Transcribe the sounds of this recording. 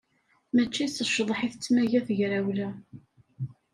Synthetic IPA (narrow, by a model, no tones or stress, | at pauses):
mæt͡ʃːisəʃðˤħiθt͡sːmæʝæθəʝɾæwlæ